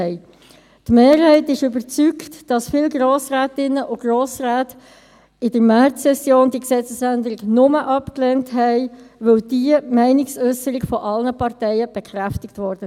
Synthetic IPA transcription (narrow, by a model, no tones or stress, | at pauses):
ɛɪ | tmeːɾhɛɪtɪʃʏbəɾt͡syktd̥ɑsfɪlɡɾoːsɾæːtɪnːəʔʊɡ̥roːsɾæːt | ɪdəɾmɛɾsɛsjoːndiəksɛt͡səsændəɾɪɡnʊməʔɑpkleːntɦɛɪʋœld̥iəmɛɪnɪksœsːəɾɪɡfɔʔɑlnəpɑʁtɛɪəb̥ekχɾæftɪktʋɔɾdə